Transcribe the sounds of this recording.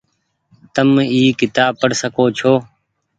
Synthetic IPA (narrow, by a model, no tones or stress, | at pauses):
t̪əmiːkɪt̪aːpəɽsəkoːt͡ʃʰoː